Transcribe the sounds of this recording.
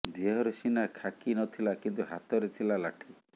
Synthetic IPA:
d̪iɦɔɾesinakʰakinɔt̪ʰilakint̪uɦat̪ɔɾet̪ʰilalaʈʰi

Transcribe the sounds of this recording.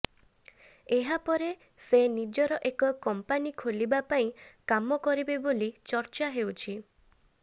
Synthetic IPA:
eɦapɔɾe | senid͡ʒɔɾɔʔekɔkɔmpanikʰolibapaĩkamɔkɔɾibebolit͡ʃɔɾt͡ʃaɦewt͡ʃʰi

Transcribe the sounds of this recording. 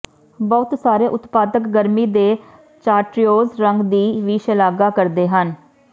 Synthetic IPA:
bɔʊt̪saːɾeːʔʊt̪paːd̪əkɡəɾmiːd̪eː | t͡ʃaːʈɾijoːzɾəŋɡd̪iːʋiːʃəlaːɡaːkəɾd̪eːɦən

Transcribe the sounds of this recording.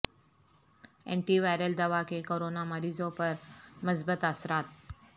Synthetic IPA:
ḛ̃ɳʈiʋajɾəld̪əʋakekoɾonaməɾiːzõpəɾməsbət̪asɾaːt̪̚

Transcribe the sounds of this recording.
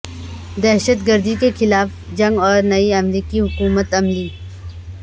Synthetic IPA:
d̪ɛːɦʃət̪ɡəɾd̪ikexɪlaːf | d͡ʒɐ̃ŋɡɔːɾnɐiɐmɾiːkiɦʊkuːmət̪ɐmliː

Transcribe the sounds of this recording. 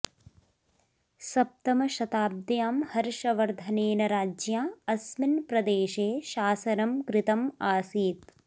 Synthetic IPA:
sɐp̚t̪ɐmɐʃɐt̪aːb̚d̪jaːmhɐɾʃɐʋɐɾd̪ʱɐneːnɐɾaːd͡ʒjaːɐsminpɾɐd̪eːʃeːʃaːsɐnɐmkɾɪt̪ɐmaːsiːt̪̚

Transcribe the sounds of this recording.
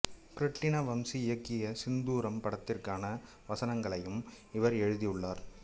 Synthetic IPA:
kɾɪʈːɪnɐʋɐmsiɪjɐkːɪjɐsɪnd̪uːɾɐmpɐɽɐt̪ːɪrkaːnɐ | ʋɐsɐnɐŋɡɐɭɐjɯm | ɪʋɐɾɛɻɯðijɯɭːaːɾ

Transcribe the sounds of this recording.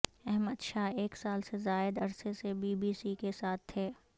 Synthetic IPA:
ɛɦməd̪ʃaːɦeːksaːlsezaːɪd̪ɐɾsesebiːbiːsikesaːt̪ʰɦeː

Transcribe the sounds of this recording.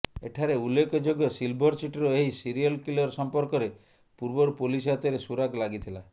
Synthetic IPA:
eʈʰaɾeulːekɔd͡ʒoɡjɔsilbʱɔɾsiʈɾɔeɦisiɾiɔlkilɔɾsɔmpɔɾkɔɾe | puɾbɔɾpulisat̪eɾesuɾaɡlaɡit̪ʰila

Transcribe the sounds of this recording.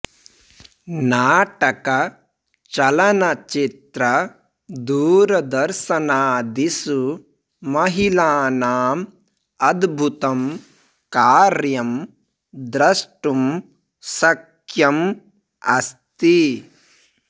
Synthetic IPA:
naːʈɐkɐ | t͡ʃɐlɐnɐt͡ʃit̪ɾɐ | d̪uːɾɐd̪ɐɾʃɐnaːd̪isu | mɐɦilaːnaːm | ɐd̪bʱut̪ɐm | kaːɾjɐm | d̪ɾɐʂʈum | sɐkʰ | jɐm | ɐst̪i

